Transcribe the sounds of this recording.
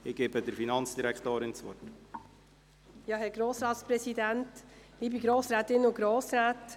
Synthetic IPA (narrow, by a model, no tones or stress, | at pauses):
ɪɡ̥eːbədəɾfinɑnt͡sd̥iɾækχt̪oːɾɪnt͡sʋɔ̰t | jɑɦhɛɾɡɾoːsɾɑːt̪spɾɛsidæntliːbiɡɾoːsɾæːtɪnəʊɡɾoːsɾæːt